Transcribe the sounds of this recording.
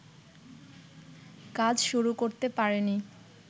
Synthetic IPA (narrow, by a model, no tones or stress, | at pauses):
kad͡ʑʃuɾukoɾt̪epaɾeni